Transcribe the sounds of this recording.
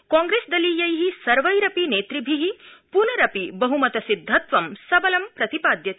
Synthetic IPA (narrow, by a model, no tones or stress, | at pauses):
kãːŋɡɾeːsd̪ɐliːjɐjɦisɐɾʋɐjɾɐpineːt̪ɾibʱiɦipunɐɾɐpibɐɦumɐt̪ɐsid̪ʱːɐt̪ʋɐmsɐbɐlɐmpɾɐt̪ipaːd̪jɐt̪i